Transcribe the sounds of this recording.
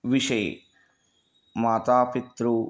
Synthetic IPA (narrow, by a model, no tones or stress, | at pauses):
ʋiʂɐj | maːt̪aːpit̪ɾu